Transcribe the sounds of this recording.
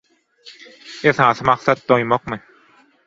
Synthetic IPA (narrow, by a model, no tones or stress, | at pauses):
esɑːθɯmɑqsɑt̪̚d̪ojmoqmɯ